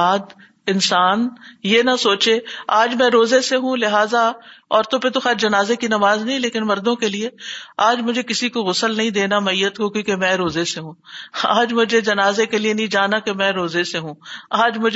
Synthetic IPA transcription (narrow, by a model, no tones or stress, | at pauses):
aːd̪ | ɪnsaːnjenasoːt͡ʃeaːd͡ʒmɛ̃ɾoːzeseɦũlɪɦaːzaɔːɾt̪õpet̪oxaːt͡ʃd͡ʒɐnaːzekinɐmaːznɐɦĩleːkɪnmɐɾd̪õkelieaːd͡ʒmʊd͡ʒʱekɪsikoɣʊsəlnɐɦĩd̪eːnamɐijːət̪kokjõːkemɛ̃ːɾoːzeseɦũːa̰ːd͡ʒmʊd͡ʒʱed͡ʒɐnaːzekelienɐɦĩd͡ʒaːnakemɛ̃ːɾoːzeseɦũːaːd͡ʒmʊd͡ʒ